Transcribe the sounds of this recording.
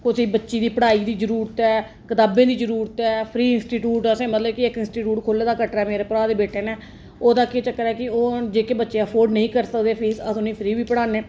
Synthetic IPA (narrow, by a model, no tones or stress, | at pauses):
kʊsiːbətːʃiːd̪iːpəɽaːiːd̪iːd͡ʒəɾuːɾət̪ɛː | kət̪aːbẽːd̪iːd͡ʒəɾuːɾət̪ɛːpʰɾiːɪnsʈiːʈjuːʈəsẽːmət̪ləbkɪɪkɪnsʈiːʈjuːʈkʰoːleːd̪aːkəʈɾɛːmeːɾeːpəɾaːd̪eːbeːʈeːnɛː | oːd̪aːket͡ʃəkːəɾɛːkɪoːd͡ʒeːkeːbətːʃeːəpʰoːɾɖnəĩːkəɾsəkd̪eːpʰɪəsʊnĩːpʰɾiːbiːpəɽaːneː